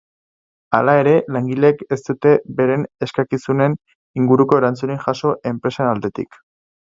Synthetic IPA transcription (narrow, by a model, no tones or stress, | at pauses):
a̰lae̞ɾe̞laŋɡileke̞st̪ut̪e̞be̞ɾe̞ne̞skakisune̞n | iŋɡuɾuko̞e̞ɾant͡suniŋʝaʃo̞ʔe̞mpɾe̞sanald̪e̞t̪ḭk